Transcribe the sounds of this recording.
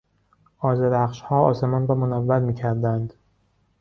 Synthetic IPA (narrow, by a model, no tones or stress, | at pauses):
ʔɒːzeɾæχʃhɒːɒ̰ːse̞mɒːnɾɒːmonævːæɾmiːcʰæɾd̪ænd̪